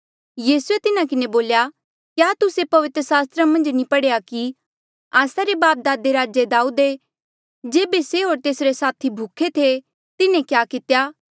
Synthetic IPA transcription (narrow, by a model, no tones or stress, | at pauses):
jiːsuet̪ɪnãkɪneboːlja | kjaːt̪ʊsepɐʋɪt̪ɾəsaːst̪ɾamɐ̃nd͡ʒnĩpɐɽeːaki | aːsaɾebaːp̚d̪aːd̪eɾaːd͡ʒed̪aːud̪e | d͡ʒeːbeseɦoːɾt̪eːsɾesaːt̪ʰibʱʊkʰːet̪ʰe | t̪ɪnẽkjaːkɪt̪ejaː